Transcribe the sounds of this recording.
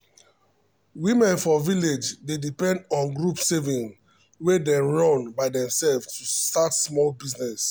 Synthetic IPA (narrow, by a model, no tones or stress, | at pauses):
wimɛ̃nfɔviled͡ʒdedipɛ̃ndɔ̃nɡɹupsevĩŋ | wedɛ̃nɹɔ̃nbaɪdɛ̃msɛlftustatsmɔlbiznɛs